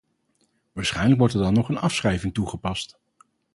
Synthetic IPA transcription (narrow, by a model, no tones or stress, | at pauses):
ʋaːɹsχɛjnləkʋɔɹtɛɹdɑnːɔχənɑfsχrɛjvɪŋtuχəpɑst